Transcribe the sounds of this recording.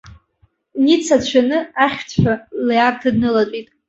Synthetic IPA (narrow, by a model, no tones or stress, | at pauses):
nit͡sʰat͡ɕʷʰanɨaχʲt͡sʰʷaljartʰadnɨlat͡sʷʼitʼ